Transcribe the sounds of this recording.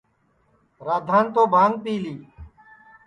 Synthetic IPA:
ɾaːd̪ʱaːnt̪oːbʱaːŋɡ̚piːliː

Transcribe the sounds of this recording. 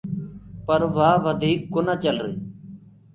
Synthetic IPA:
pəɾʋaːʋəd̪ʱiːkːonaːt͡ʃəlɾḛː

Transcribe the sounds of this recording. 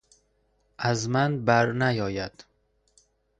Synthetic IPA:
ʔæzmænbæɾnæjɒːjæd̪̥

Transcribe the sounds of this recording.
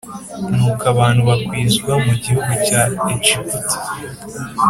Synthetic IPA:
nuːkaβaːnhuβakwiːzɡwamuɟihuɡucait͡ʃikuti̥

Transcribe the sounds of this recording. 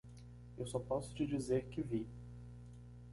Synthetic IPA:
ewsɔpɔsʊ̥t͡ʃɪd͡ʒizeɾkɪvi

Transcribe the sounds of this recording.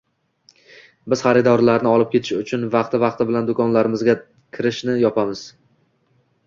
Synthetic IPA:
bɪz̥χɑɾɪd̪ɒɾlaɾnɪɒlˠɪp̚kʲet̪ʰɪʃʊt͡ʃʰʊnvɑqt̪ʰɪvɑqt̪ɪbɪland̪ʊkʰɒnlaɾɪmɪzɡʲa | kʲʰɪɾɪʃnɪjɒpʰamɪz̥

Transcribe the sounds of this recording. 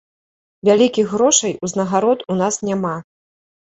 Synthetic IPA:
vʲalʲikʲixɣɾɔʂɐjuznɐɣaɾɔt̪un̪asnʲama

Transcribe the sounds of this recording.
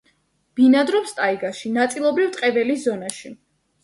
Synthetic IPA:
b̥inad̪ɾɔpst̪ʼaiɡaʃinat̪sʼilˠɔbɾivt̪ʼqʼɛvɛliszɔnaʃi

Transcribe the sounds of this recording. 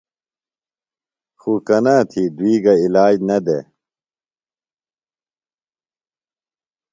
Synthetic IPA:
xukɐnaːt̪ʰid̪uiːɡɐilaːd͡ʑnɐd̪ḛ

